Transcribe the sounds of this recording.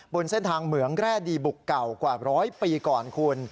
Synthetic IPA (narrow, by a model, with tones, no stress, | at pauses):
bo˧nse˥˩nt̪ʰaː˧ŋmɯ˩˦əŋɾɛː˥˩diː˧bu˨˩kːa˨˩wkwaː˨˩ɾɔː˦˥jpiː˧kɔː˨˩nkʰu˧ən